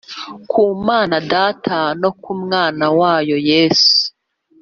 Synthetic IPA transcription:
kʰuːmaːnadaːtʰano̞kumŋaːnawaːjo̞je̞ːsu̥

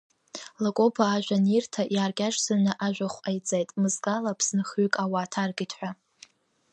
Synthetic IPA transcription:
lakʼo̞pʰaːʒᶣʷanirtʰaʔjaːrɡʲaʈ͡ʂsɨnɨʔaʒᶣʷaχʷajt͡sʼejtʼmɨzɡalapʰsɨnχykʼawaːtʰarɡitʰħʷᶣa

